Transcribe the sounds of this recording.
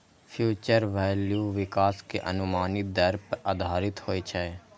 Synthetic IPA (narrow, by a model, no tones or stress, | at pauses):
pʰjuːt͡ʃəɾʋɛːljuːʋɪkaːskeʔə̰nʊmaːnɪt̪̚d̪əɾpʔaːd̪ʱaːɾɪt̪hoːit͡ʃʰɛe